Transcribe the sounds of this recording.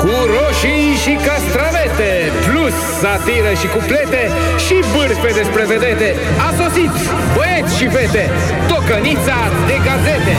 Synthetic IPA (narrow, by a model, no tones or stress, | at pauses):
kuɾoʃijʃikast̪ɾavet̪e | plus | sat̪iɾəʃikuplet̪e | ʃibɨrped̪espɾeved̪et̪e̞ | aso̞sit̪ | bojet̪sʲʃifet̪e | t̪okənit̪sa | d̪e̞ɡazet̪e